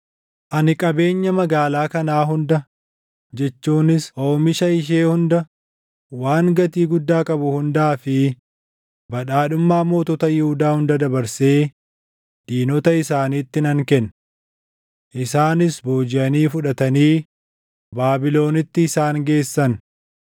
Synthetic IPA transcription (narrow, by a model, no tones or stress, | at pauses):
ʔɐnɪkʼɐbe̞ːɲːɐmɐɡaːlaːkɐnaːɦʊnd̪ɐ | d͡ʒɛt͡ʃːuːnɪsʔoːmɪʃɐɪʃ̬eːhʊnd̪ɐ | waːŋɡɐt̪iːɡʊd̪ːaːkʼɐbʊhʊnd̪aːfɪ | bɐᶑaːᶑʊmːaːmo̞ːt̪ɔt̪ɐjɪhʊd̪aːhʊnd̪ɐd̪ɐbɐɾse̞ː | d̪̥iːnɔt̪ɐɪsaːniːt̪ːɪnɐŋkɛn | ʔɪsaːnɪsbo̞ːd͡ʒɪʔɐniːfʊᶑɐt̪ɐniː | baːbɪlo̞ːnɪt̪ːɪːsaːŋɡe̞ːsːɐn